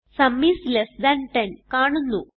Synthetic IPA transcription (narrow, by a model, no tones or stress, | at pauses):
sɐmːislesd̪ɐnʈɐnkaːɳunːu